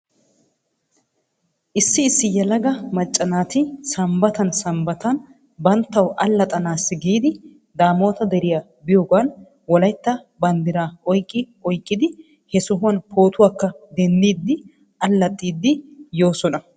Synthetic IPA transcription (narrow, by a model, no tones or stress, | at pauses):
ʔɪsːɪːsːɪjɛlɐɡɐmɐt͡ʃʼːɐnaːt̪ɪsɐmbɐt̪ɐnsɐmbɐt̪ɐn | bɐnt̪ːɐwʔɐlːɐt̪ʼɐnaːsːɪɡiːd̪ɪ | d̪aːmo̞ːt̪ɐd̪ɛɾɪjaː | bɪjoːɡaːn | wɔlɐjt̪ːɐ | bɐnd̪ɪɾaːɔjkʼːɪ | ɔjkʼːɪd̪ɪ | hɛsɔɦʊwɐnpʰo̞ːt̪ʊwaːkːɐd̪ɛnd̪iːd̪ːɪ | ʔɐlːɐt̪ʼːiːd̪ːɪjo̞ːsɔnɐ